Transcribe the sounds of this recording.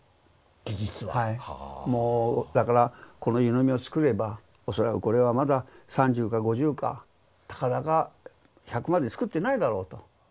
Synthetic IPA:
ɡ̥ʲiʑit͡sɨβahaimo̞ːd̪akaɾako̞no̞jɯnomʲio̞t͡sɨ̥kɯ̟ɾe̞ba | o̞so̞ɾakɯ̟ko̞ɾe̞βamad̪asãɲ̟d͡ʑɨːkaɡo̞ʑɨːka̰ | t̪ḁkad̪aɡa | çakɯ̟mad̪e̞t͡sɨ̥kɯ̟t̪ːe̞naid̪aɾo̞ːt̪o̞

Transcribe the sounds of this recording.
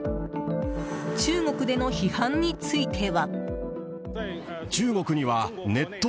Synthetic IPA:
t͡ɕɨːŋo̞kɯ̟d̪e̞no̞çihãɲːit͡sɨit̪ʰe̞βa | t͡ɕɨːŋo̞kɯ̟ɲ̟iβane̞t̪ːo

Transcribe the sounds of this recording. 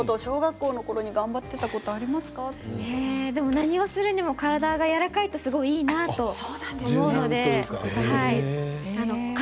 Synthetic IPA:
t̪oɕo̞ːɡakːo̞ːno̞ko̞ɾo̞ɲ̟iɡãmbat̪ːe̞t̪ako̞t̪o̞aɾʲimasɨ̥kated̪e̞mo̞naɲ̟io̞sɨɾɯ̟ɲ̟imo̞kaɾad̪aɡajaɾakait̪o̞sɨɡo̞iiːnat̪o̞soomo̞ɯno̞d̪e̞haiano̞k

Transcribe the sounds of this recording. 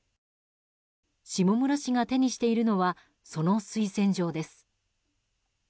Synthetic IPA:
ɕimo̞mɯ̟ɾaɕiɡat̪e̞ɲ̟iɕi̥t̪e̞iɾɯ̟no̞βa | so̞no̞sɨisẽ̞ɲ̟d͡ʑo̞ːd̪e̞sɨ̥

